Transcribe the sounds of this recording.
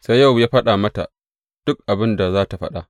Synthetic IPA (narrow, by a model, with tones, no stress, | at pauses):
sa˦jːa˦˨wjaː˦ɸɐ˦ɗaː˨mɐ˦ta̰˨ | d̥ʊ˦k̚ʔa˨bɪ˦nda˨zaː˦ta˨ɸɐ̰˦ɗa˨